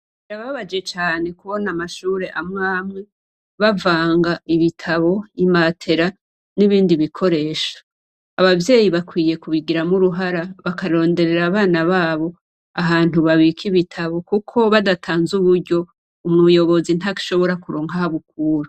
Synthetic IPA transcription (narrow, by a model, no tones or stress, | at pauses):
iɾaβaβad͡ʒe̞t͡ʃaːne̞kuβo̞namaʃuːɾe̞ʔamŋamŋe̞ | βavaːŋɡaiβitʰaβo̞imatʰe̞ɾa | niβiːndiβikʰo̞ɾe̞ːʃḁː | βavje̞ːjiβakwiːje̞kuβiɡiɾamuɾuɦaɾaβakaɾo̞ːnde̞ɾe̞ɾaːβaːnaβaːβo̞ | aɦaːn̥uβaβikʰiβitʰaβo̞kukʰo̞βadatʰaːnzuβuɾɟo̞ | umŋujo̞βo̞zin̥aki̥ʃo̞βo̞ɾakuɾoːŋɡahaβukuːɾo